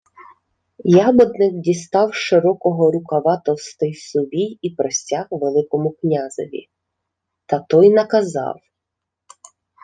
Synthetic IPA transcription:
jɑbɔd̪nɪkdʲist̪ɑwʃɪɾɔkɔɦɔɾʊkɐʋɑt̪ɔst̪ɪjsʊbʲijipɾɔsʲtʲaxʋelˠɪkɔmʊknʲazɔ̰ʋʲḭ | t̪ɐt̪ɔjnɐkɐzɑ̰w

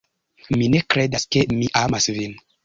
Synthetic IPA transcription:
minekɾedaskemiʔamasvin

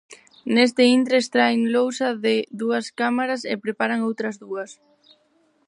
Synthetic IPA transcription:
nes̬t̪ɪint̪ɾest̪ɾaeŋlowsɐðɪðuɐskamaɾɐsḛpɾepaɾɐŋowt̪ɾɐzðuɐs

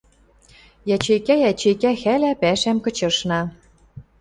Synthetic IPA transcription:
jæt͡ɕejkæjæt͡ɕejkæxælæpæʃæmkɤ̆t͡ɕɤ̆ʃnɑ

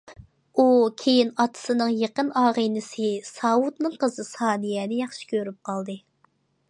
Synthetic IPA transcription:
ukʲʰejinɑt̪ʰɨ̥sɨnɨŋjeqənɑːʁənɪsɨsɑwut̪nɨŋqəzɨsɑːnijɛːnɪjɑχʃɪ̥kʲʰøɾyp̚qʰɑlˠd̪ɨ

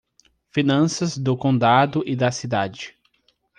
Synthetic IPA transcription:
finɐ̃sɐzd̪ʊkõnd̪ad̪ʊʔɪd̪ɐsid̪ad͡ʒɪ

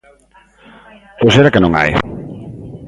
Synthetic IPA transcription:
poseɾakɪnõŋa̰j

